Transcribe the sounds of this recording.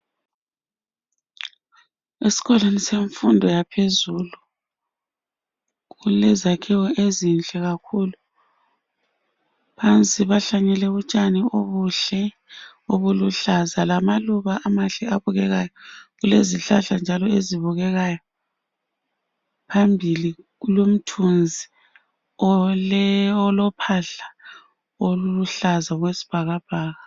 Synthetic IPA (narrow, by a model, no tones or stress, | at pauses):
esi̥ɣɔleniseɱfundʱɔjapʰezulu | ɣulɛzakʰiwɔezint͡ɬʼɛɣakʰuːlu | pʰant͡sʼiβaɬaɲɛlɛβut͡ʃʼanioβuɬɛ | oβuluɬazalamaluβaʔamaɬɛaβuɣɛɣajɔɣuleziɬaɬand͡ʒʱalɔeziβuɣɛɣajɔ | pʰambʱiliɣulom̩tʰund͡zʱi | ɔ | ɔlɔpʰaɬa | oluuɬazaɣwesi̥b̥ʱaɣab̥ʱaːɣa